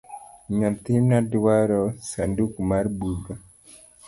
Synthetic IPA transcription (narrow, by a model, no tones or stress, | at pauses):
ɲat̪iɾnadwaɾɔsandukumaɾbudɔ